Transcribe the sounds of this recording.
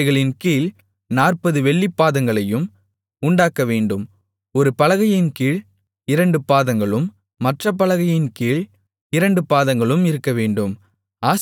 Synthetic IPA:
ɪɣɐɭɪnkiːɭ | naːrpɐðɯʋɛɭːipːaːðɐŋɡɐɭɐjɯm | ʊɳɖaːkɐʋeːɳɖɯm | ɔɾɯpɐlɐɣɐjɪnkiːɭ | ɪɾɐɳɖɯpaːðɐŋɡɐɭɯmː | ɐʈrɐp̬ːɐlɐɣɐjɪnkiːɭ | ɪɾɐɳɖɯpaːðɐŋɡɐɭɯmɪɾɯkːɐʋeːɳɖɯm | aːs

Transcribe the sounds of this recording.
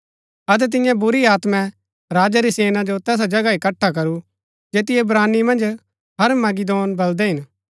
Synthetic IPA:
ɐt̪̬ɛt̪̬ɪ̃jãbʊɾiaːt̪mɛ̃ | ɾaːd͡ʒaɾiseːnad͡ʒot̪ɛːs̬ad͡ʒɐɡaikɐʈʰːakɐɾu | d͡ʒeːt̪ɪjɛbɾaːnimɐ̃nd͡ʒ | ɦɐɾmɐɡɪd̪oːnbɐld̪ɛɦɪn

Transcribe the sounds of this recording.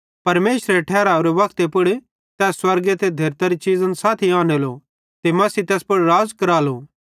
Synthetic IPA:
pɐɾmeːʃɾeʈʰɛːɾaːʊɾeʋɐkt̪epʊɽ | t̪ɛːsːwɐɾɡet̪ʰed̪ʱeːɾt̪aɾit͡ʃiːzənsaːt̪ʰiaːnelo | t̪emɐsit̪ɛːspʊɽɾaːd͡zkɐɾaːloː

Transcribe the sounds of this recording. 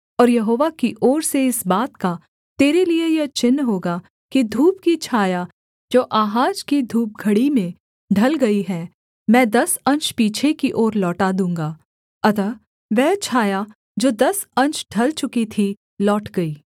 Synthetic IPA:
ɔːɾjɐɦoːʋakiʔɔːɾseɪsbaːt̪ka | t̪eːɾeliejɐt͡ʃɪnːɦoːɡa | kid̪ʱuːp̚kit͡ʃʰaːja | d͡ʒoːʔaːɦaːd͡ʒkid̪ʱuːp̚ɡʱɐɽimẽ | ɖʱɐlɡɐiɦɛː | mɛ̃ːd̪ɐsɐ̃nt͡ʃpiːt͡ʃʰekiʔoːɾlɔːʈad̪ũːŋɡaː | ɐt̪ə | ʋɛːt͡ʃʰaːja | d͡ʒoːd̪ɐsɐ̃nt͡ʃɖʱɐlt͡ʃʊkit̪ʰi | lɔːʈɡɐiː

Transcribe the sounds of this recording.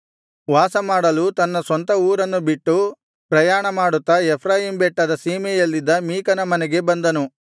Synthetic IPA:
ʋaːsɐmaːɽɐlut̪ɐnːɐsʋɐnt̪ɐuːɾɐnːubiʈːu | pɾɐjaːɳɐmaːɽut̪ːɐepʰɾaːjimbɛʈːɐd̪ɐsiːmɛjɐlːid̪ːɐmiːkɐnɐmɐnɛɡe̞bɐnd̪ɐnu

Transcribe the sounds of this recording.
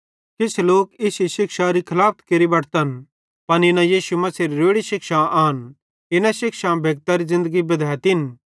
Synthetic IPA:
kɪt͡ʃʰloːkɪsiʃɪkʃaɾikʰɐlaːp̚ʰt̪keɾibɐʈʰt̪ɐn | pɐninãjiːʃumɐsiːɾiɾeːɽiʃɪkʃãaːn | ɪnaʃɪkʃãbʱeːɡ̚t̪aɾizɪ̃nd̪əɡibɐd̪ʱɛːjt̪ɪn

